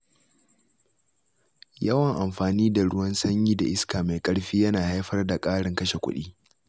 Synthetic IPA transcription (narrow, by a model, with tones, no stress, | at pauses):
jɐ˦wɐ˨ŋʔa˨mɸaː˨niː˦da˨ɽʊ˦wɐ˦nsɐ˦ɲjiː˦da˨ʔɪ˦skaː˨ma˨jkʼɐ˦ɽɸiː˦jɐ˦naː˨ha˦jɸɐ˦rda˨kʼaː˦ɽɪ˨ŋkɐ˦ʃe˨kʷʊ̰˦ɗḭː˦